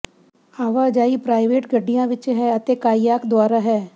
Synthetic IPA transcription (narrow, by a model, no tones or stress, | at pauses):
aːʋaːd͡ʒaːipɾaːɪʋeːʈɡəɖijãːʋɪt͡ʃɦɛɐt̪ekaːijaːkd̪waːɾaɦɛː